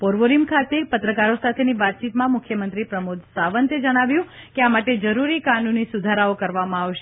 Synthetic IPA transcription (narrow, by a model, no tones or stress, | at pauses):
poɾʋoɾimkʰat̪epət̪ɾəkaɾosat̪ʰeniʋat̪̚t͡ʃit̪mãmʊkʰjəmənt̪ɾipɾəmud̪ʱsaʋənt̪ed͡ʒəɽ̃aʋjũ | keamaʈed͡ʒəɾuɾikanunisud̪ʱaɾaokəɾʋamãaʋʃe